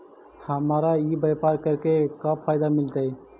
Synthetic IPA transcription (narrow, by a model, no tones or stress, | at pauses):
həmɾaibəjpaɾkəɾkekãpʰajd̪amilt̪əj